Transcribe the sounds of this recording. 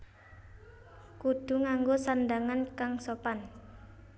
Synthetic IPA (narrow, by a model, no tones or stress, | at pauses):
kud̪̥ṳŋaŋɡosandaŋankaŋsopan